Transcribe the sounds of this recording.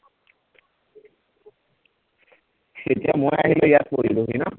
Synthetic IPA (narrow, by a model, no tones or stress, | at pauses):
setijamojaɦilɔjat̪̚poɹiluɦinɔ